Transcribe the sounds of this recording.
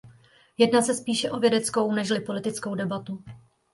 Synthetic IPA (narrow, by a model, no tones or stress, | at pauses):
jɛdnaːsɛspiːʃɛʔo̞vjɛdɛt͡sko̞wnɛʃlɪpo̞lɪt̪ɪt͡sko̞wdɛbat̪u